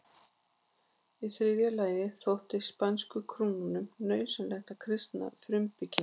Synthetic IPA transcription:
iθɾɪðjalaːjɪθowht̪ɪspanskʏkʰɾuːnunʏmnœːɥnsɛnlɛxt̪akʰɾɪst̪na̰fɾʏmpɪcɪn

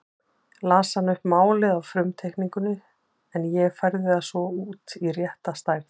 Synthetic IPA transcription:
laːsanːʏhpmaːwlɪðawfɾʏmt̪ʰejhkniŋkʏnɪ | ɛnjɛɣfajɾðɪasvɔuːt̪irjɛht̪ast̪aːjɾ̥n

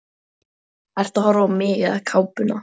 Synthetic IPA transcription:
ɛr̥t̪ahɔɾaɔmɪːɣɪðakʰaːwpʏna̰

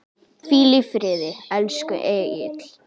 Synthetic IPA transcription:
fiːlɪfɾɪːðɪɛlskʏ̰ʔɛːɣɪ̰t̪l̥

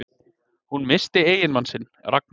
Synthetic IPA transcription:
hunmɪst̪ɪeːjɪnmansɪn | rak̚n

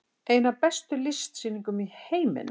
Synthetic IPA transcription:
eːjnapɛst̪ʏlɪst̪sinːĩŋkʏmiheːjmɪ̰n

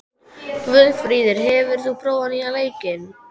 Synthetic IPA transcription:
kvʏðfɾiːðɪɾɦɛvɪɾ̥θupʰɾoːwanialeːjcɪn

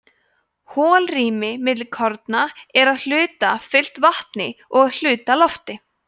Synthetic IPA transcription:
hɔːlriːmɪmɪt̪̬lɪlkʰɔɾt̪naɛɾaðl̥ʏːt̪afɪl̥t̪vaht̪nɪɔɣaðl̥ʏːt̪alɔft̪ɪ

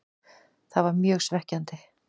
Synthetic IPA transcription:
θaðvaɾmjœːɣsvɛhcant̪ɪ

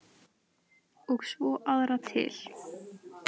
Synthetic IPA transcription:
ɔɣsvɔʔaðɾat̪ʰɪ̰l̥

